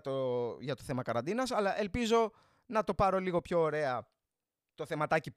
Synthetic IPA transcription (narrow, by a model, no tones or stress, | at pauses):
t̪oʝɐt̪o̞θemɐkɐɾɐnd̪inɐsɐlɐʔe̞lpizo̞ | nɐt̪o̞pɐɾo̞liɣo̞pço̞ːɾe̞ɐ | t̪o̞θe̞mɐt̪ɐcip